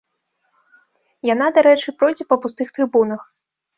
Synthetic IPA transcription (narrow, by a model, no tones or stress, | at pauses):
janad̪aɾɛt͡ʂɨpɾɔjd͡zʲɛpɐpust̪ɨxt̪ɾɨbunɐx